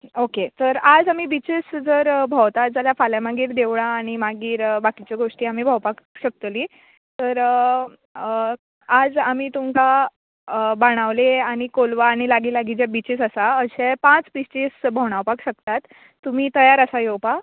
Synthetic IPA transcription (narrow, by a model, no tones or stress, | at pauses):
oket̪əɾad͡zam̤iːbit͡ɕesd͡zəɾbʱəwt̪ad͡zaljafaljamaɡiːɾd̪eʋɭ̃ãːɽ̃imaɡiːɾbakit͡ɕjaɡoʂʈiːam̤iːbʱawpakɕək̚t̪li | t̪əɾ | ad͡zam̤iːt̪umka | baɽ̃aʋleaɽ̃ikolʋaːɽ̃ilaɡilaɡid͡ʑabit͡ɕesəsaəɕepãt͡sbist͡ɕisbʱəʋɽ̃awpakɕək̚t̪at̪ː | um̤iːt̪əjaɾəsajowpa